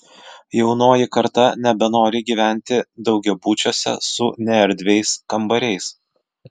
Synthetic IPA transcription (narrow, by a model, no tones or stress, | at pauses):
jɛʊnoːjɪkɐɾt̪ɐnʲɛbʲɛnoːɾʲɪɡʲiːʋʲæˑnʲt̪ʲɪd̪ɒʊɡʲɛbuːt͡ʃʲoːsʲɛ̰sʊnʲɛɛɾʲd̪ʲʋʲɛɪskɐmbɐɾʲɛɪs